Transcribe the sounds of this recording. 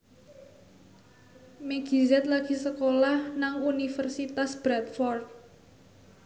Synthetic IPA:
meɡ̥i̤zɛt̪̚laɡ̥i̤səkolahnaŋunifərsit̪asb̥ɾat̪̚fɔrt̪̚

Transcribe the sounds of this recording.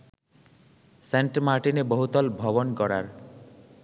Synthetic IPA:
seɳʈmaɾʈinebɔɦut̪ɔlbʱɔbɔnkɔɾa̰ɾ

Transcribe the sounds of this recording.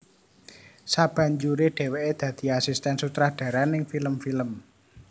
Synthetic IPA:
sab̥ä̤ɲd͡ʒuɾeɖ̥e̤weʔed̪̥ä̤d̪̥i̤asist̪ɛnsut̪ɾad̪̥ä̤ɾanɪŋfiləmfiləm

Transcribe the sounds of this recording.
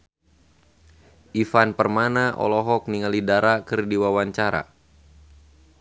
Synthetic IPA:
ʔifanpərmanaʔɔ̰lɔɦɔk̚niŋalidaɾakərdiwawaɲt͡ʃaɾa̰

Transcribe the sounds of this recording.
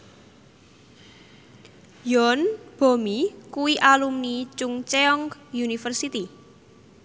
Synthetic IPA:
jɔnb̥o̤mikuwiʔalumnit͡ʃʊŋt͡ʃeɔŋkjunifərsit̪i

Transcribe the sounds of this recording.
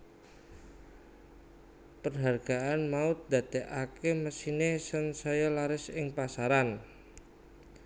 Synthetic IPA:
pərɦarɡ̥aanmaʊt̪̚d̪at̪eʔakeməsinesənsajalaɾɪsɪŋpasaɾan

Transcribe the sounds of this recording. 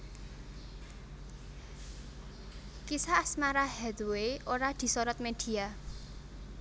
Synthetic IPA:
kisaːsmaɾahɛd̪weoɾad̪̥i̤sɔɾɔt̪̚med̪̥i̤a

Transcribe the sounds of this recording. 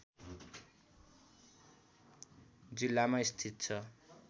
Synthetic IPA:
d͡zilːamaist̪ʰit̪̚t͡sʰʌ

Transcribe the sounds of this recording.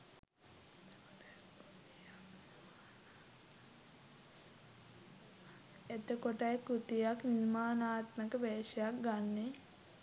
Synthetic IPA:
et̪əkoʈajkut̪ijakninmaːnaːt̪məkəʋeːʃəjak̚ɡanːe

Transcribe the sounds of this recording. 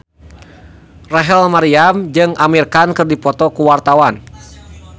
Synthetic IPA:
raɦɛlmaɾiamd͡ʒɨŋʔamirkankɨrdipɔt̪ɔkuwart̪awan

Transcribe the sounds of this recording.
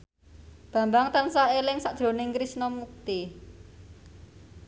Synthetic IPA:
b̥ä̤mbaŋt̪ansaelɪŋsaʔd̥ʒ̥ɾo̤nɪŋkɾisnɔmuk̚t̪i

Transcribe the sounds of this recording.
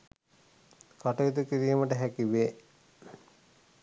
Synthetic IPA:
kaʈɐʋid̪ukiɾiːməʈəɦækiʋeː

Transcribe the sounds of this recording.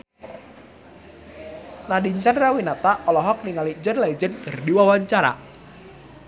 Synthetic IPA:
nadiɲt͡ʃanrawinat̪aʔɔlɔɦɔk̚niŋalid͡ʒənlaid͡ʒənkərdiwawaɲt͡ʃaɾa̰

